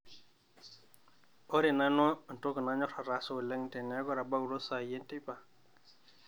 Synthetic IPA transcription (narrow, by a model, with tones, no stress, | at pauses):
ɔ˦ɾe˨na˦nwɔ˦˨n˨to˦kə˨na˦ɲɔ˦ɾa˨ɾa˨˦so˦˨lɛ˦ŋte˨nɛ˨˦ɡɔ˦ɾa˨ba˦u˨ɾo˦sa˨je˦nte˦pa˨